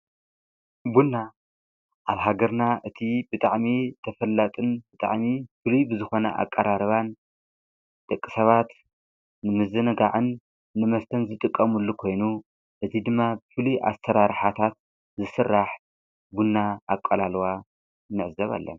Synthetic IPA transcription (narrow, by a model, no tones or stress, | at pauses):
bunːa | ʔaβɦaɡɐɾnaʔɨt̪ʰibɨt̪ʼaʕmit̪ʰɐfɐlːɐt̪ʼɨnbɨt̪ʼa̰ʕmifɨlujbɨzɨxo̞nɐ̰ʔa̰kʼːɐɾaɾɐβan | t̪ʼɨkʼːɨsɐβat̪ | nɨmɨzɨnɨɡa̰ʕɨnː | ɨmɐst̪ʰɐnzɨt̪ʼɨkʼːɐmɨlːukʰo̞jnu | ʔɨt̪ʰid̪ɨmːabɨfɨlujʔa̰st̪ʰɐɾaɾħat̪ʰat̪̚ | zɨsɨrːaħ | bunːaakʼɐlalwa | nɨʕɨzɐβa̰lːɐ̰m